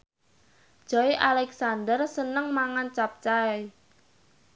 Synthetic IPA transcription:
d͡ʒ̥ɔiʔalɛksandərsənəŋmaŋant͡ʃap̚t͡ʃae

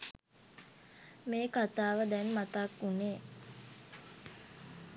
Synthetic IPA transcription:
meːkat̪aːʋəd̪ɛnmat̪akːuneː

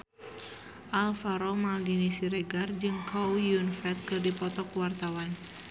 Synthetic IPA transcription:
ʔalfaɾɔmaaɡinisiɾɛɡard͡ʒɨŋkaujunfɛt̪̚kɨrdipɔt̪ɔkuwart̪awan

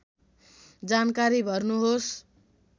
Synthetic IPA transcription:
d͡zankaɾibʱʌrnuɦos

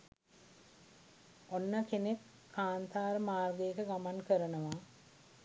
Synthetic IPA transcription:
onːəkenekʰː | aːnt̪aːɾəmaːrɡəjəkəɡamankəɾənəʋaː

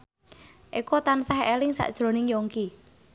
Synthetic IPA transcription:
ʔikot̪ansaɦelɪŋsa̰ʔd̥ʒ̥ɾo̤nɪŋjoŋki

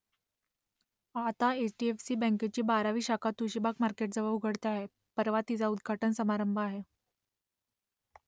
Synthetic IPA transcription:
at̪aet͡ɕʈiefsiːbɛ̃ŋket͡ɕiːbaɾaʋiːɕakʰat̪uɕibakmaɾkeʈ̚d͡zəbaʋɡʱəɽt̪eaɦe | pəɾʋat̪it͡saud̪ɡʱaʈənsəmaɾəmbʱəaɦe

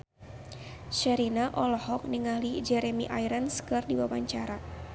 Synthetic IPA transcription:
ʃɛɾinaʔɔlɔhɔk̚niŋalid͡ʒɛɾɛmiʔajɾənskɨrdiwawaɲt͡ʃaɾa

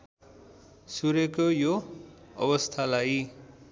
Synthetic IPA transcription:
suɾekojoʌ̰bʌst̪ʰalaj

